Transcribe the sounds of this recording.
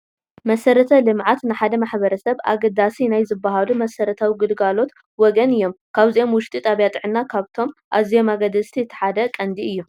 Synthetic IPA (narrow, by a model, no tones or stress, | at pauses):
mɐsɐɾɐt̪ʰɐlɨmʕat̪nɨħad̪ɐmaħbɐɾɐsɐβa̰ɡɐd̪asinajzɨbːaɦalumɐsɐɾɐt̪ʰawiɡɨlɡalo̞t̪ | wɔɡɐnɨjːo̞mkʰaβziʔo̞mwʊʃt̪ʼit̪ʼaβjat̪ʼɨʕɨnːakʰaβt̪ʰo̞mʔaβzijo̞maɡɐd̪ɐst̪ʰiɨt̪ʰːɐ̥ħad̪ɐkʼɐnd̪iɨjːu